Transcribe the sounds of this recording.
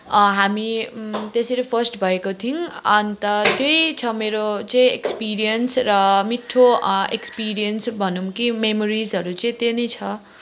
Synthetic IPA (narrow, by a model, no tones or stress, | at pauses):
ɦamit̪eseɾipʰʌrsʈbʱʌekot̪ʰinʌnit̪ʌt̪jojt͡sʰʌmeɾot͡sʌĩekspiɾijʌnsrʌmiʈʰːoekspiɾijʌnsbʱʌnumkimemoɾizɦʌɾut͡sʌĩt̪enijt͡sʰʌ